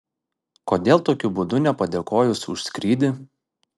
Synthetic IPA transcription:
koːd̪ʲeːlˠt̪oːkʲʊbʊd̪ʊnʲɛpɐd̪ʲeːkoːjʊsʊ̰ʃsʲkɾʲiːd̪ʲɪ

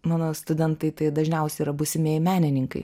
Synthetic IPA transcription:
mɑːnoːst̪ʊd̪ʲɛnt̪ɐɪt̪ɐɪd̪ɐʒʲnʲɛʊsʲɛiːɾɐbʊsʲɪmʲeɛjmʲæːnʲɪnʲɪŋkɐɪ

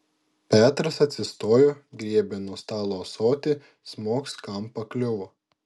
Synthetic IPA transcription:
pʲæːt̪ɾɐsɐt̪ʲsʲɪst̪oːjoɡɾʲiɛbʲenuɔst̪ɑːlˠoːsoːt̪ʲɪ | smoːkskɐmpɐklʲʊʋo

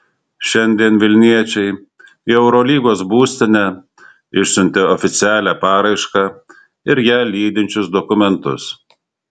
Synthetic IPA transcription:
ʃʲɛnʲd̪ʲiɛnʋʲɪlʲnʲiɛt͡ʃʲɛɪ | ɛʊɾɔlʲiːɡoːsbuːsʲt̪ʲɪnʲɛ | ɪʃʲsʲʊnʲt̪ʲɛɔfʲɪt̪sʲɪæːlʲæːpɑːɾɐɪʃkɑː | ɪɾjæːlʲiːd̪ʲɪnʲt͡ʃʲʊsd̪ɔkʊmʲɛnt̪ʊ̰s

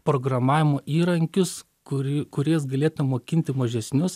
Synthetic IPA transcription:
pɾoːɡɾɐmɑːʋʲɪmoːʔiːɾɐŋʲkʲʊs | kʊkʊɾʲiɛsɡɐlʲeːt̪ʊmʲɛmoːkʲɪnʲt̪ʲɪmɐʒʲɛsʲnʲʊs

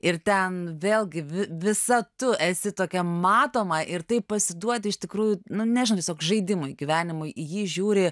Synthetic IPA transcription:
ɪrt̪ʲɛnʋʲeːlʲˠɡʲɪʋʲɪʋʲɪsɐt̪ʊɛsʲɪt̪oːkʲɛmɑːt̪oːmɐʔɪrt̪ɐɪppɐsʲɪd̪uɔt̪ʲɪɪʃt̪ʲɪkɾuːjʊnʊnʲɛʒnot̪ʲjɛsoːkʒɐɪd̪ʲɪmʊjɡʲiʋʲæːnʲɪmʊɪʔɪjiːʒʲuːɾʲɪ

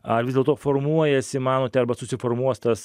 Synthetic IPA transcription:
ɐrʋʲɪzdʲɛlˠt̪oːformuɔjɛsʲɪmɑːnoːt̪ʲɛɐɾbɐsʊsʲɪformuɔst̪ɐs

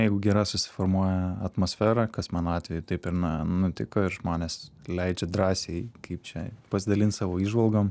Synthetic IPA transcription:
jɛɪɡʊɡʲɛɾɐsʊsʲɪ̥foːɾmuɔjɛɐt̪moːsʲfʲæːɾɐkɐsmɑːnɑːt̪ʲʋʲɛjʊt̪ɐɪpɪɾnɐnʊt̪ʲɪkoːɪɾʒmoːnʲeːslʲɛɪd͡ʒʲɛd̪ɾɑːsʲeɪkɐɪp̚t͡ʃʲɛpɐsʲɪd̪ɐlʲɪnsɑːʋoːiːʒʋɐlˠɡom

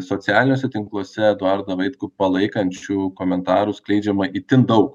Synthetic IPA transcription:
soːtsʲɪæːlʲɪnʲoːsʲɛt̪ʲɪŋklˠuɔsʲɛd̪oɑɾd̪ɐʋɐɪt̪kupɐlˠɐɪkɐnʲt͡ʃʲuːkoːmʲɛnt̪ɑːɾusklʲɛɪd͡ʒʲɛmɐʔiːt̪ʲɪnd̪ɐʊk

